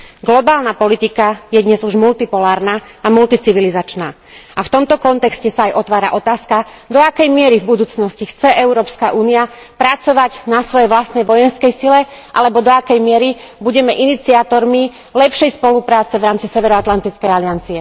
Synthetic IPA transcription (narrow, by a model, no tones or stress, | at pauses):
ɡlɔbaːlnapɔlit̪ikajɛd̪ɲɛzuʒmult̪ipɔlaːɾnaːamult̪it͡siʋilizat͡ʃnaː | aft̪ɔmt̪ɔkɔnt̪ɛkscɛsaːjʔɔt̪ʋaːɾa̰ʔɔt̪aːska | d̪ɔakɛjmɪɛɾivbud̪uːt͡snɔscixt͡sɛʔɛʊɾɔːpskaʔuːnia | pɾat͡sɔʋaɟnasʋɔjɛjʋlast̪nɛjʋɔjɛnskɛjsilɛ | ʔa̰lɛbɔd̪ɔakɛjmɪɛɾi | buɟɛmɛʔinit͡siat̪ɔɾmi | lɛpʃɛjspɔlupɾaːt͡sɛʋɾaːmt͡sisɛʋɛɾɔat̪lant̪it͡skɛjaliant͡siɛ